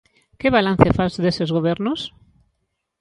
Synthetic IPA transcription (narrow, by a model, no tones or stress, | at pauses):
keβalan̟θefazðesezɣoβ̞eɾnos